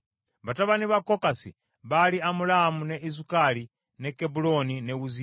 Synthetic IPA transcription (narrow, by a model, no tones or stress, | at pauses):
βataβaniβakɔkasḭ | βaliamulaamunɛʔizukali | nɛkɛbulɔninɛuzi